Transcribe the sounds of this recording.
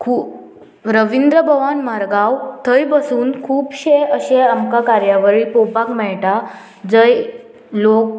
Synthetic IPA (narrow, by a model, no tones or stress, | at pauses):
kʰuː | ɾəʋind̪ɾəbʱəʋanmaɾɡawt̪ʰəjbəsuːnkʰuːbɕeəɕeamkakaɾjaʋəɾipopakmɛɭʈa | d͡zəj | lok̚